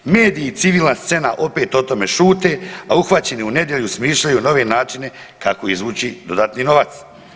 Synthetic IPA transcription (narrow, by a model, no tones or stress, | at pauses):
me̞ːd̪iːt̪siʋiːlnast̪se̞naʔo̞pe̞ːt̪o̞t̪o̞me̞ʃuːt̪e̞auxʋat͡ɕe̞niune̞d̪je̞ʎusmiːʃʎajuno̞ʋe̞naːt͡ʃine̞ | kako̞izʋuːt͡ɕid̪o̞d̪aːt̪nino̞ʋat̪s